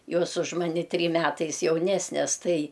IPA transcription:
ˈjoːs ʊʃ ˈmɑːnʲɪ ˈtʲrʲiːm ˈmʲæːtɐɪs jɛʊˈnʲæːsʲnʲɛs ˈtɐɪ

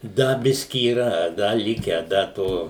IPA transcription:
ˈdɐ ˈbʲɪsʲkʲɪ iːˈrɐ ˈdɐ ˈlʲɪkʲæː ˈdɐ ˈtoː

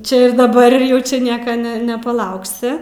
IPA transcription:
ˈt͡ʃʲɛ ɪr dɐˈbɐr ɪr ˈjɛʊ t͡ʃʲɛ ˈnʲiɛkɐ nʲɛ nʲɛpɐˈlˠɐʊksʲɪ

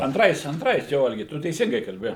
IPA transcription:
ɐnˈtrɐɪs ɐnˈtrɐɪs ˈjoː ˈɐlʲɡʲɪ ˈtʊ tʲɛɪˈsʲɪŋɡɐɪ kɐlʲˈbʲɪ

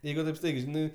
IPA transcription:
ˈjɛɪɡʊ tɐɪp ˈstɐɪɡʲɛɪ ˈʒʲɪnɐɪ

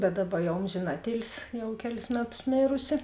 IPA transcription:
bʲɛt ˈdɑːˌbɐ ˈjɛʊ ˈoːmʲʒʲeːn ˈɑːtʲˌeːlʲsʲɪ ˈjɛʊ ˈkʲæːˌlʲɪs ˈmʲæːˌtʊs ˈmʲeːrʊsʲɪ

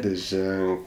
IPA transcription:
lʲɪˈʒʲɛŋk

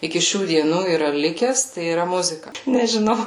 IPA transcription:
ɪkʲɪ ˈʃʲuː dʲiɛˈnuː iːˈrɐ ˈlʲɪkʲɛs tɐɪ iːˈrɐ ˈmʊzʲɪkɐ nʲɛʒʲɪˈnɐʊ

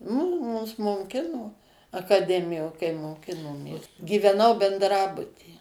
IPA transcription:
mʊ ˈmʊs moːˈkʲɪnoː ɐkɐˈdʲæːmʲɪjoː kɐɪ moːˈkʲɪnoːmʲeːs ɡʲiːʋʲɛˈnɐʊ bʲɛndˈrɑːbʊtʲiː

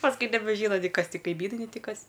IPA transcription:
pɐsˈkʊɪ nʲɛbʲɛˈʒʲiːnɐ nʲɪ ˈkɐs ˈtʲɪ kɐɪˈmʲiːnɐɪ nʲɛɪ ˈtʲɪ ˈkɐs

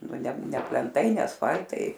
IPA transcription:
ˈnʊ ˈnʲɛ ˈnʲɛ pʲlʲɛnˈtɐɪ ˈnʲɛ ɐsˈfɐlʲtɐɪ

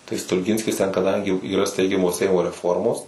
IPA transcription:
tɐɪ stʊlʲˈɡʲɪnʲsʲkʲɪs tʲɛn kɐˈdɐŋʲɡʲɪ iːˈrɐ ˈsʲtʲɛɪɡʲɛmoː ˈsʲɛɪmoː rʲɛˈfoːrmoːs

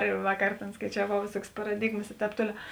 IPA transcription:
ɪr ˈʋɑːkɐr ˈtʲeːn skɐɪt͡ʃʲɛˈʋɐʊ ʋʲeːˈsuɔkʲeːs pɐrɐˈdʲɪɡmɐs ɪ ˈtʲɛːp ˈtoːlʲɛʊ

